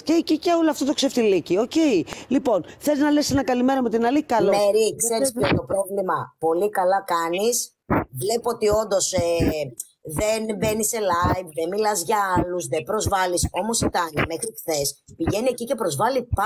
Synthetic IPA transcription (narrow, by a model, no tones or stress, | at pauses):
ceːciceoloɐft̪ot̪okseft̪ilicio̞ce̞ilipo̞nθeliznɐlesenɐkɐlime̞ɾɐmet̪inɐlikɐlomeɾikseɾispot̪opɾovlimɐpo̞likɐlɐkɐnis | vle̞po̞t̪io̞nd̪o̞se | ðenbe̞nise̞lɐjvðemilɐzʝɐɐluzðebɾo̞zvɐliso̞mo̞sit̪ɐnmexɾikθespiʝe̞niecice̞pɾo̞zvɐlip